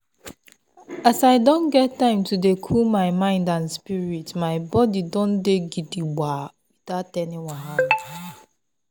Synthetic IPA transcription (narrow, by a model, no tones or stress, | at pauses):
asaɪdõnɡɛtːãɪ̃mtudekʰulmaɪmãɪ̃ndãnspiɾitmaɪbɔdidõn̩deɡidiɡ͡ba | witatɛniwãɦa